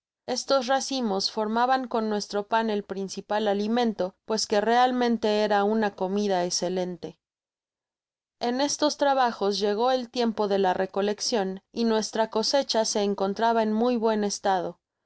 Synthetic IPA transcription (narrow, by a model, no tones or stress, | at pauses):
e̞st̪o̞zrasimo̞sfo̞ɾmaβaŋko̞nːwe̞st̪ɾo̞pane̞lpɾinsipalalimẽ̞nt̪o̞pwe̞ske̞re̞almẽnt̪e̞e̞ɾaunako̞miðaekse̞le̞nt̪e̞ | e̞ne̞st̪o̞st̪ɾaβaxo̞zʝe̞ɣ̞o̞e̞lt̪je̞mpo̞ðe̞lare̞ko̞le̞ksjo̞ninwe̞st̪ɾako̞se̞t͡ʃase̞ːŋko̞nt̪ɾaβae̞nmujβwe̞ne̞st̪að̞o̞